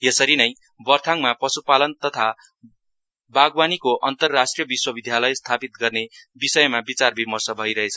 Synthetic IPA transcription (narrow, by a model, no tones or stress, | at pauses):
jesʌɾinʌj | bʌrt̪ʰaŋmapʌsupalʌnt̪ʌt̪ʰa | baɡwanikoʔʌnt̪ʌrːasʈrijʌbiswʌbid̪ʱjalʌjst̪ʰapit̪̚ɡʌrnebisʌjmabit͡sarbimʌrsʌbʱʌjɾʌɦet͡sʰʌ